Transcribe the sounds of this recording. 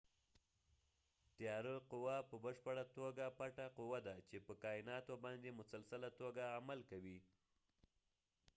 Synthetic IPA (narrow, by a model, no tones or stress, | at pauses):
t̪jɑɾəqʊwapəbəʃpəɽat̪oɡapaʈaqʊwad̪at͡ʃepəkɑɪnɑt̪obɑnd̪emʊsalsalat̪oɡaamalkawi